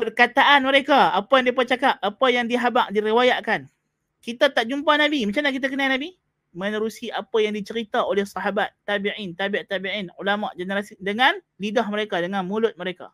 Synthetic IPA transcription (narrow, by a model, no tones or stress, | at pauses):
pərkat̪aʔanməɾekaapajaŋdip̬at͡ʃakap̚ʔapajaŋdiɦabaʔdiɾiwajaʔkan | kit̪at̪aʔd͡ʒumpanabimat͡ʃamnahk̬it̪̬akənainabi | mənəɾusiʔapajaŋdit͡ʃəɾit̪aolɛhsɑɦabat̪ːabiʕint̪abiʔt̪abiʕinṵlamaʔd͡ʒənəɾasidəŋan | lidahməɾekadəŋanmulʊt̪̚məɾeka̰